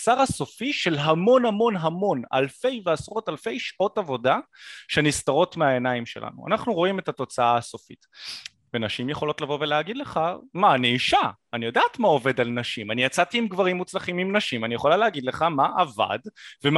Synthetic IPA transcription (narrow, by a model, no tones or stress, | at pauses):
saʁaso̞fiʃe̞lɦamo̞nhamo̞nɦamo̞na̰lfe̞jveasʁo̞talfe̞jʃʔo̞tavo̞daʃenistaʁo̞tmeaenaimʃelʔa̰nṵa̰naχnuʁo̞imethato̞t͡saaːso̞fḭt | venaʃimjeχo̞lo̞tlavo̞ve̞leaɡid̪le̞χamaːniːʃa | anijo̞daːtmao̞ve̞dalnaʃimanijat͡satiːmɡvaʁimːut͡slaχimimnaʃimanijeχo̞laleaɡidle̞χamaʔava̰dvem